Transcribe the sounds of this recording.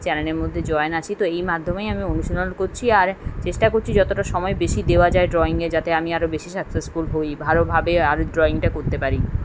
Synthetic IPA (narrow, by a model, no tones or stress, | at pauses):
t͡ɕɛɾeneɾmod̪ʱːed͡ʑɔenat͡ɕʰit̪oejmad̪ʱːomejamionuʃolonkoɾt͡ɕʰiaɾt͡ɕeʃʈakoɾt͡ɕʰid͡ʑɔt̪oʈaʃɔmɔebeʃid̪eoad͡ʑaeɖɾɔiŋɡed͡ʑat̪eamiaɾobeʃisaksesfulɦojbʱalobʱabeaɾoɖɾɔiŋʈakoɾt̪epaɾi